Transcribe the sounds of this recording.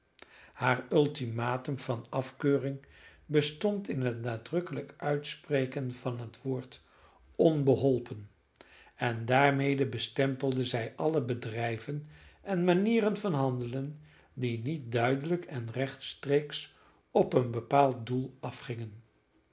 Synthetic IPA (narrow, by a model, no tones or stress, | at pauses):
haːɹɵlˠtimaːtəmv̥ɑnɑfkøːrɪŋbəstɔntɪnɦətnaːdrɵkələkœɥtsprejkənv̥ɑnɦətʋoːɹt | ɔnbəɦɔlˠpən | ɛndaːɹmejdəbəstɛmpəlˠdəzɛjʔɑləbədrɛjvənɛnmaniːrənvɑnɦɑndələn | dinit̚dœɥdələkʰɛnrɛχtstreːks | ɔpənbəpaːlˠt̚dulˠɑfχɪŋən